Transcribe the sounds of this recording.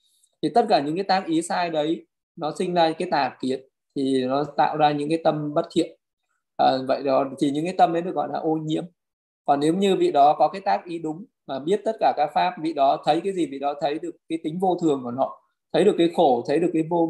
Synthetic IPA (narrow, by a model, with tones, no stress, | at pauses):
t̪ʰi˨˩t̪ə˦˥t̚kaː˧˩ɲɨ̰˧˥ŋkaː˨˦jt̪aː˦˥k̚ʔi˨˦saː˧jɗə˨˦j | nɔ˨˦sï˧ŋzaː˧kaː˨˦jt̪aː˨˩ki˨˦ən | t̪ʰi˨˩nɔ˨˦t̪a̰ː˧˨wzaː˧ɲɨ̰˧˥ŋkaː˨˦jt̪ə˧mɓə˦˥t̚t̪ʰḭ˧˨ə | ʔːvə̰˧˨jɗɔ˨˦t̪ʰi˨˩ɲɨ̰˧˥ŋkaː˨˦jt̪ə˧mʔə˨˦jɗɨ˨˩ək̚ɣɔ̰˧˨jlaː˨˩ʔo˧ɲḭ˧˥əm | kɔ˨˩nːe˨˦wɲɨ˧vḭ˧˨ɗɔ˨˦kɔ˨˦kaː˨˦jt̪aː˦˥k̚ʔi˨˦ɗʊ˨˦ŋ͡m | maː˨˩ɓi˦˥ət̚t̪ə˦˥t̚kaː˧˩kaː˦˥k̚faː˦˥p̚vḭ˧˨ɗɔ˨˦t̪ʰə˨˦jkaː˨˦jzi˨˩vḭ˧˨ɗɔ˨˦t̪ʰə˨˦jɗɨ˨˩əkːaː˨˦jt̪ï˨˦ŋ̟vo˧t̪ʰɨ˨˩əŋku˧˩nɔ̰˧˨ | t̪ʰə˨˦jɗɨ˨˩əkːaː˨˦jxo˧˩t̪ʰə˨˦jɗɨ˨˩əkːaː˨˦jvo˧